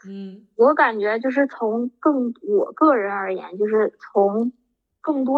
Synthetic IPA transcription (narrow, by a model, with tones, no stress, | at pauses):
wɔ˧˥ka˨˩nt͡ɕɥɛ˧˥t͡ɕjo˥˧ʊʂ̬ɻ̩˥˩t͡sʰʊ˧˥ŋkɤ˥˩ŋwɔ˨˩kɤ˥˩ɻə˧˥nə˞˧˥jɛ̰˧˥nt͡ɕjo˥˧ʊʂɻ̩˥˩t͡sʰʊ˧˥ŋ | kɤ˥˩ŋt̪̬wɔ˥